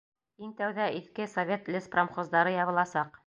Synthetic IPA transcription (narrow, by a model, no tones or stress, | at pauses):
int̪æwðæiθkɘsovʲet̪lʲɘspromχozd̪ɑɾɤjɑβɤ̆lˠɑsɑq